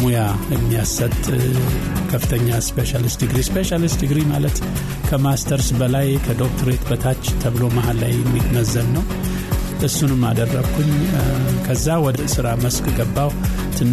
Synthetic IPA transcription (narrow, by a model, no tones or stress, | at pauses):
mujaɛmːijasət̪ʼ | kʰəfːɨt̪ʰəɲːaspeʃalist̪ɨɡɾispeʃalist̪ɨɡɾimalət̪ | kʰəmast̪ʰəɾsbəlajkʰəd̪ok̚t̪ʰəɾet̪bət̪ʰat͡ʃːt̪ʰəβɨlo̞maɦalːa̰jɛmːid̪nəzːənːəw | ʔɨsːunɨmːad̪ərːəɡkʰun | kʰəzːawɔd̪əsɨɾaməskʼɡəbːaw | t̪ʰɨnː